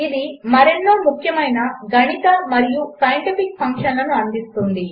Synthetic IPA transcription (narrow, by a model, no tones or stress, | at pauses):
id̪imɐɾenːoːmukʰjɐmɐjnɐɡʱɐɳit̪ɐmɐɾijusɐjɳʈipik̚pʰɐŋkʂɐnlɐnuɐnd̪ist̪und̪i